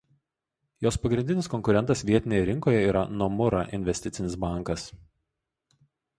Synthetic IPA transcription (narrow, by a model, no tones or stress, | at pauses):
joːspɐɡɾʲɪnʲd̪ʲɪnʲɪskɔŋʲkʊɾʲɛnt̪ɐsʋʲiɛt̪ʲɪnʲejɛɾʲɪŋkoːjɛiːɾɐ̰numʊɾɐ̰ʔɪ̰nʲʋʲɛsʲt̪ʲɪt̪sʲɪnʲɪsbɑˑŋˑkɐs